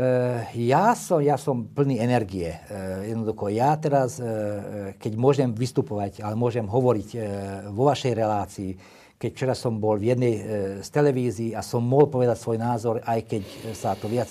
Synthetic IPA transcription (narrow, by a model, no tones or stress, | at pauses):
jaːsɔmjasɔmpl̩niːɛnɛɾɡiɛjɛd̪nɔd̪uxɔjaːt̪ɛɾas | kɛɟmʊɔʒɛmʋist̪upɔʋacalɛmʊɔʒɛmɦɔʋɔɾicʋɔʋaʃɛjɾɛlaːt͡siː | kɛcft͡ʃɛɾasɔmbɔlvjɛd̪nɛjst̪ɛlɛʋiːziːasɔmːɔɦlpɔʋɛd̪acsʋɔjnaːzɔɾajkɛcsat̪ɔʋɪat͡s